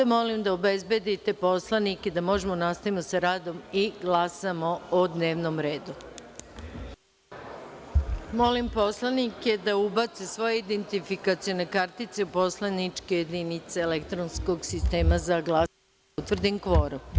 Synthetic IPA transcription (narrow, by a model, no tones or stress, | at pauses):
amo̞limd̪aobe̞zbe̞d̪it̪e̞po̞slˠaniked̪amo̞ʒe̞mo̞nast̪aʋimosaɾaːd̪o̞miɡlˠasamo̞od̪ne̞ːʋnomɾe̞ːd̪u | mo̞limpo̞slˠanike̞d̪aubat̪sesʋo̞jeid̪ent̪ifikat̪sione̞kaɾt̪it̪seupo̞slˠanit͡ʃkeje̞d̪init̪seːlekt̪ɾonsko̞ɡsist̪e̞ːmazaɡlˠa | ut̪ʋr̩d̪iŋkʋoːɾu